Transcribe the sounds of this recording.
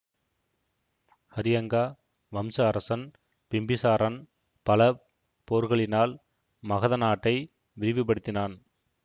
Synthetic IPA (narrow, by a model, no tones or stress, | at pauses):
hɐɾɪjɐŋɡaː | ʋɐmsɐːɾɐsɐn | pɪmbɪsaːɾɐn | pɐlɐ | poːɾɣɐɭɪnaːl | mɐɣɐðɐnaːʈːɐɪ | ʋɪɾɪʋɪp̬ːɐɽɯt̪ːɪnaːn